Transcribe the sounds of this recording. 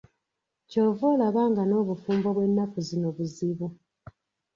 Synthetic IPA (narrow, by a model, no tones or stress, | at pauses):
co̞ːvoːlaβaːŋɡano̞ːβufuːmboβwe̞nːakuzinoβuziβu